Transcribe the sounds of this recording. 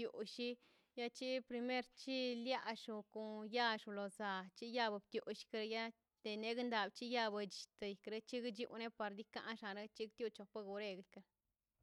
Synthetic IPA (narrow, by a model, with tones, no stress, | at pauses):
u˨ʃi˦ | ja˦t͡ʃi˦pɾi˧me˦ɾt͡ʃi˦lja˦ʂu˧ku˨ja˦ʂu˨˧lo˨za˨t͡ʃi˦ja˦ba˧b̚t̪ju˨ʃi̥˧kɾja˦ | d̪̥e˨˧ne˧˦ɡnd̪a˨bt͡ʃi˦ja˦˧ba˧d͡ʒi̥˨t̪a˧i˨kɾe˦t͡ʃi˦ɡd͡ʒjṵ˧ne˦pa˧ɾd̪i˦ka̰˧˦ʔʂa˧ɾe˦t͡ʃi˦kt̪ju˧t͡ʃo˧pa˦ɡu˧ɾe˧ɡi˨kɾ